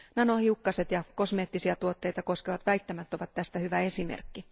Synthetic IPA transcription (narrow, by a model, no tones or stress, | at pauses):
nɑnohiukːɑset̪jɑko̞smeːt̪ːisiɑt̪uot̪ːe̞jt̪ɑko̞skeʋɑt̪ʋæit̪ːæmæt̪ːo̞ʋɑt̪tæst̪æhyʋæe̞simḛrkːi